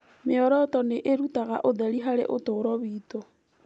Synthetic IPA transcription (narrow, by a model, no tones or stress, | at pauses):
meɔɾɔtɔneʔeɾutaɣa̰ʔoðɛɾiɦaɾḛʔotoɾɔβiːto